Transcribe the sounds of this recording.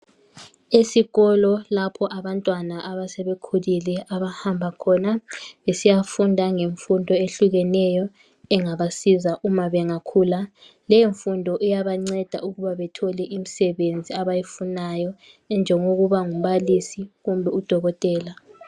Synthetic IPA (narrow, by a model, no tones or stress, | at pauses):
esiɣɔlɔlapʰɔʔaβantʼwanaʔaβasɛβekʰulilɛʔaβahambʱakʰɔnaβesijafundʱaŋeɱfundʱɔeɬuɣɛnɛjɔ | ɛŋaβasizaʔumaβɛŋakʰula | lɛiɱfundʱɔʔɛjaβaŋ͡ǀɛd̥ʱa̰uɣuβaβɛtʰɔlɛʔimisɛβend͡zʱiaβajifunajɔ | ɛnd͡ʒʱɛŋoɣuβaŋum̩βalisiɣumbʱɛud̥ʱɔɣɔtʼɛːla